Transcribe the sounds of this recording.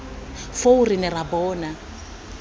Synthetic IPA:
fourinɛrabɔːna

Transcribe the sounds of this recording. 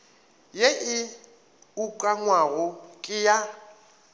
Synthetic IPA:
jeʔɪ | ukʼaŋwaɣʊkʼɪja

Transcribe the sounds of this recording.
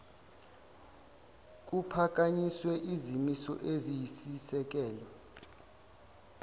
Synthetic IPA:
k̬ʼupʰak̬ʼaɲiswɛʔizimisɔ̰ʔezijisisɛk̬ɛːla

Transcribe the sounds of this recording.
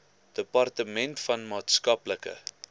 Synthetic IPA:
d̥əpɐrtəmɛntfɐnmɑːtskɐpləkə̰

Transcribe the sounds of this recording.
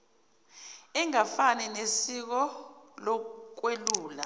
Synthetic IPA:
ɛŋafanɛnesik̬ɔlɔk̬weluːla

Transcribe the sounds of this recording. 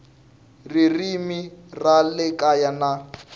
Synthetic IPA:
ririmiralɪkʼajana

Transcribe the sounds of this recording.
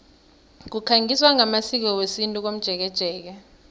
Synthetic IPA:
k̬ukʰaŋiswaŋamasik̬ɔwesintʼuk̬om̩d̥ʒ̥ʱɛk̬ɛd̥ʒ̥ʱɛːk̬ɛ

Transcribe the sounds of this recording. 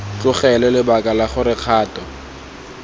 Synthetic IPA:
t͡ɬʼʊχɛlɛlɪbakʼalaχʊɾɪq͡χʰaːtʼɔ

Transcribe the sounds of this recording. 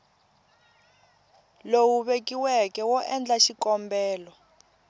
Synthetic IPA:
lowuβekiwɛkɛwɔʔɛnd͡ɮaʃikɔmbɛːlɔ

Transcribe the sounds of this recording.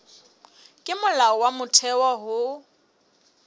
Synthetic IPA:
kʼɪmʊlaɔwamʊtʰɛwɔɦʊ

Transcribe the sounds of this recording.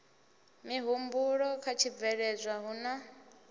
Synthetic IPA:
miɦumbuɺɔkʰat͡ʃʰib̪vɛɺɛzʷaɦuna

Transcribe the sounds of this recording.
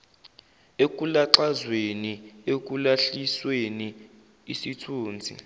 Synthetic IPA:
ek̬ʼulaǁazweniek̬ʼulaɬisweni | isitʰuːnd͡zʱḭ

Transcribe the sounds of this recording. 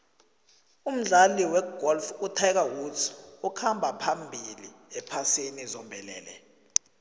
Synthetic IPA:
um̩ɮaliwɛɡ̥ɔlfutʰajk̬awusʰukʰambʱapʰambʱiliɛpʰasenizɔmbʱɛlɛ̰ːlɛ

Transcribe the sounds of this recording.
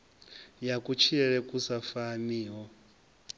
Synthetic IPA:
jakʼut͡ʃʰiɛɺɛkʼusafaniːɦɔ

